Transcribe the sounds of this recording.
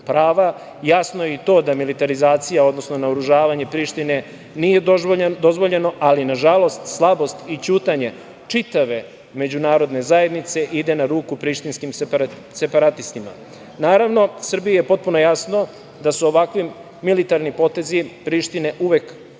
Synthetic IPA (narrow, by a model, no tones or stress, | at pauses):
pɾaːʋa | jasnojeit̪o̞ːd̪amilit̪aɾizaːt̪sijao̞d̪no̞sno̞naoɾuʒaːʋaɲe̞pɾiːʃt̪ine̞ | nije̞d̪o̞zʋo̞ʎe̞no̞ʔalinaʒalˠo̞st̪slˠabo̞st̪it͡ɕuːt̪aɲe̞ | t͡ʂit̪aʋe̞ | me̞d͡ʑunaːɾo̞d̪ne̞zaje̞d̪nit̪se̞ʔid̪e̞naɾuːkupɾiːʃt̪inskim | se̞paɾat̪ist̪ima̰ | naːɾaʋno̞sr̩bijajepo̞t̪̚puno̞jasno̞ | d̪asuoʋakʋiː | ilit̪aɾnipo̞t̪e̞zipɾiːʃt̪ine̞ʔuʋe̞k